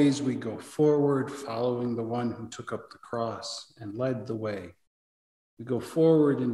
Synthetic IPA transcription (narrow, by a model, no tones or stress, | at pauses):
ɪzwiɡoʊfɔɹwə˞d̥fɑlˠoʊɪ̃ŋðəwʌ̃nhutʰʊkʌp̚ðəkʰɹ̥ɔsɨ̃nlɛd̪̚ðəweɪ | wiɡoʊfɔɹwə˞ɾɪ̃n